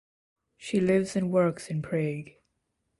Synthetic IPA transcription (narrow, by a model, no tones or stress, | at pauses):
ʃilɪvzɨ̃nwɜ˞ksɨ̃npʰɹ̥eɡ̥